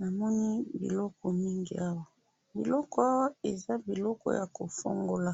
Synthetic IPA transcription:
na˨mɔ˦ni˦bḭ˨lɔ˦kɔ˨mi˦ŋɡḭ˨a˦wa˨ | bḭ˨lɔ˦kɔ˦e˨za˦bi˨lɔ˦kɔ̰˦ja˨ko˨fo̰˦ŋɡo˦la˦

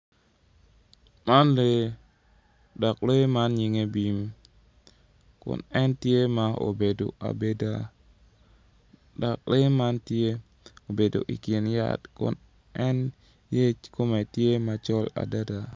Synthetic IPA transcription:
ma˦nle˨ | dɔ˨kle˦ma˦nɲɪ˨ŋe˦bi˨m | kʊ̰˨nɛ˦ntje˦ma˦o̰˨be˨do̰˨a̰˨be˦da˦ | da˨k̚le˦ma˦ntje˦ | o˨be˨do̰˨ʔḭ˨kje˨nja̰˦tkʊ̰˨n | ɛ˦n | je˦t͡ʃko˦me˨tje˦ma˨t͡ʃɔ˦la̰˨da˦da˨

